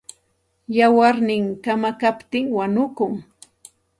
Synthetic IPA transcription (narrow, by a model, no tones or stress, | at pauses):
jawaɾnɪŋkamakapt̪ɪŋwanʊkʊŋ